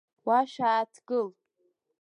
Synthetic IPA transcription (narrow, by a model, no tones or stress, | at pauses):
waʃaːtʰɡɨl